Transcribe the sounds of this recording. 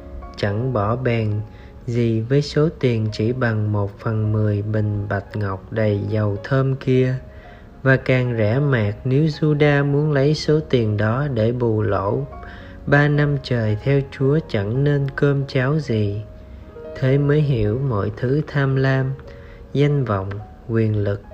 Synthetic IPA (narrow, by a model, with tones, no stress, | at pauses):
t͡ɕa˧˥ŋɓɔ˧˩ɓɛː˨˩n | zi˨˩vəː˨˦jso˨˦t̪i˨˩ənt͡ɕi˧˩ɓa˨˩ŋmo˨˩t̚fə˨˩nmɨ˨˩əjɓï˨˩ŋ̟ɓa˨˩t̚ŋa˨˩wk͡p̚ɗə˨˩jzə˨˩wt̪ʰəː˧mki˧ə | vaː˨˩kaː˨˩ŋzɛ˧˥maː˨˩k̚ni˨˦wzu˧ɗaː˧mu˨˦ənlə˨˦jso˨˦t̪i˨˩əŋɗɔ˨˦ɗe˧˩ɓu˨˩lo̰˧˥˨ | ɓaː˧na˧mt͡ɕəː˨˩jt̪ʰɛ˧wt͡ɕu˨˦ət͡ɕə˧˩ŋne˧nkəː˧mt͡ɕaː˨˦wzi˨˩ | t̪ʰe˨˦məː˨˦jɦi˧˩əwmo̰˧˨jt̪ʰɨ˨˦t̪ʰaː˧mlaː˧m | za˧jŋ̟vɔ̰˧˨wŋ͡m | kwi˨˩ənlɨ˨˩k̚